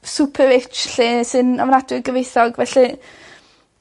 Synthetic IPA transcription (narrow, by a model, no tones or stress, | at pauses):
supʰəɾɪt͡ʃɬisɨnavnadwɪɡəvejθɔɡvɛɬi